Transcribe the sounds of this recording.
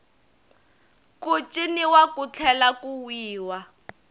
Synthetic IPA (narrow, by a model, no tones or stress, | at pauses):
kut͡ʃʼiniwakut͡ɬʰɛlakuwiːwa